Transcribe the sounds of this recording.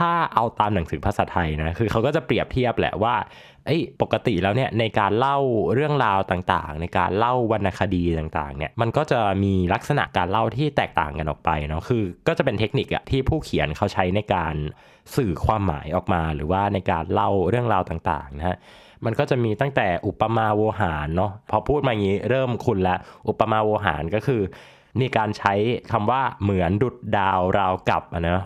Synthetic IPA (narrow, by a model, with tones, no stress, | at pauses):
t̪ʰaː˥˩ʔa˧wt̪aː˧mna˩˦ŋsɯː˩˦pʰa˧saː˩˦t̪ʰa˧jna˦˥kʰɯː˧kʰa˦˥wkɔː˥˩t͡ɕa˨˩pɾi˨˩əp̚t̪ʰi˥˩əp̚lɛ̰˨˩ʔwaː˥˩ | ʔɤ˦˥jpo˨˩kːa˧t̪ḭ˨˩lɛː˦˥wni˥˩ɐna˧jkaː˧nla˥˩wɾɯ˥˩əŋɾaː˧wt̪aː˨˩ŋt̪a̰ː˨˩ŋna˧jkaː˧nla˥˩wːa˧nʔa˧kʰa˧diː˧t̪aː˨˩ŋt̪a̰ː˨˩ŋni˥˩ɐma˧nkɔː˥˩t͡ɕa˨˩miː˧la˦˥k̚sa˧na̰˨˩ʔkaː˧nla˥˩wt̪ʰiː˥˩t̪ɛː˨˩k̚t̪a̰ː˨˩ŋka˧nʔɔ̰ː˨˩k̚pa˧jnɔ˦˥kʰɯː˧kɔː˥˩t͡ɕa˨˩pe˧nt̪ʰe˦˥k̚ni˨˩k̚ʔa̰˨˩t̪ʰiː˥˩pʰuː˥˩kʰi˨˩˦ənkʰa˦˥wt͡ɕʰa˦˥jna˧jkaː˧n | sɯː˨˩kʰwaː˧mːa̰ː˩˦jʔɔː˨˩k̚maː˧ɾɯː˩˦waː˥˩na˧jkaː˧nla˥˩wɾɯ˥˩əŋɾaː˧wt̪aː˨˩ŋt̪a̰ː˨˩ŋna˦ha˦˥ | ma˧nkɔː˥˩t͡ɕa˨˩miː˧t̪a˥˩ŋt̪ɛː˨˩ʔu˨˩pːa˧maː˧woː˧ɦaː˩˦nːɔ˦˥pʰɔ˧pʰuː˥˩t̪̚maː˧ʔŋiː˦˥ɾɤː˥˩mkʰu˧nlɛ˦˥ʔʔu˨˩pːa˧maː˧woː˧ɦa̰ː˩˦nkɔː˥˩kʰɯː˧ | miː˧kaː˧nt͡ɕʰa˦˥jkʰa˧mwaː˥˩mɯ˩˦əndu˨˩t̪̚daː˧wɾaː˧wka˨˩p̚ʔa˧˩nɔ˦˥